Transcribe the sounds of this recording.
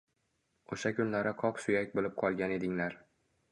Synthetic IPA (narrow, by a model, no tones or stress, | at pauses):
oʃakʰʲʊnlaɾɪqʰɒpsʊjak̚ʲbolɪp̚qʰɒlˠɡʲane̞d̪ɪŋlaɾ